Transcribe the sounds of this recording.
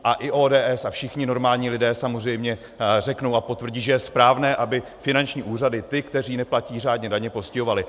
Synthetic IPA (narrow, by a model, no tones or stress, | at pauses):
ʔaʔɪʔoːdɛːʔɛsafʃɪxɲɪno̞ɾmaːlɲiːlɪdɛːsamor̝ɛjmɲɛ | r̝ɛkno̞wapo̞t̪vr̩ɟiːʒɛjɛspɾaːvnɛːʔabɪfɪnant͡ʃɲiːʔuːradɪt̪ɪkt̪ɛriːnɛplaciːr̝aːdɲɛdaɲɛposcɪɦovalɪ